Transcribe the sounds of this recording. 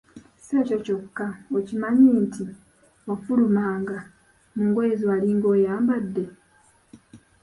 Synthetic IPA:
seːco̞co̞kːaocimaɲiːntʰi | ofulumaːŋɡa | muŋɡweːzialiŋɡo̞ːjaːmbadːe

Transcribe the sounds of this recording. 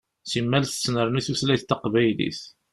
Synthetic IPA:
simːælθə̥snəɾˤniθuslæjθt̪ːəqvæjlḭθ

